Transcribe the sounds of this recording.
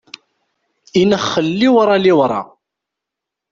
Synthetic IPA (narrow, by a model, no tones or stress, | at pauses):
inəχːəlːiwɾˤɑliwɾˤɑ̰